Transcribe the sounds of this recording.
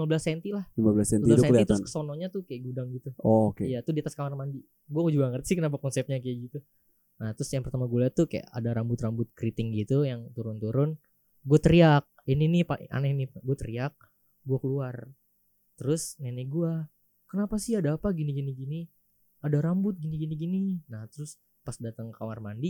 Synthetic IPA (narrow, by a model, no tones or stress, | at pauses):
limabəlasɛnt̪ilahlimabəlasɛnibsɛliit̪ɾsnkə̥sonɔɲat̪ʊhkajaɡudaŋɡit̪uʔokejat̪ʊdiat̪askamanmandi | ɡuakud͡ʒuaŋərt̪i̥sɪhkənap̬akɔnsɛp̚ɲakajaɡit̪u | naht̪ɾʊsjaŋpərt̪amaɡulat̪ʊkaja̰ʔa̰daɾambʊt̪rambʊt̪̚kɾit̪ɪŋɡit̪ujaŋt̪uɾʊnt̪uɾʊn | ɡuat̪əɾiak̚ininipaʔa̰naniɡuat̪əɾiak̚ | ɡuakəluar | t̪əɾʊsneniɡua | kənapasɪhadaːpaɡiniɡiniɡini | adaɾambʊt̪̚ɡiniɡiniɡininaht̪əɾʊs | pasdat̪əŋkamarmandi